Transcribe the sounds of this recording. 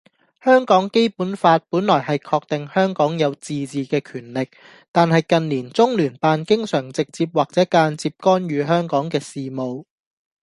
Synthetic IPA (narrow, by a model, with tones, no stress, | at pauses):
hœː˥ŋkɔː˨˥ŋke˥jpuː˨˥nfaː˧t̚puː˨˥nlɔː˨˩jɦɐ˨jkʰɔː˧k̚t̪ɪ˨ŋhœː˥ŋkɔː˨˥ŋjɐ˨˧wt͡siː˨t͡siː˨kɛː˧kʰyː˨˩nlɪ˨k̚ | t̪aː˨nhɐ˨jkɐ˨nliː˨˩nt͡sʊ˥ŋlyː˨˩npaː˧nkɪ˥ŋsœː˨˩ŋt͡sɪ˨k̚t͡siː˧p̚waː˨k̚t͡sɛː˨˥kaː˧nt͡siː˧p̚kɔː˥nɥyː˨˧ɦœː˥ŋkɔː˨˥ŋkɛː˧siː˨mo˨w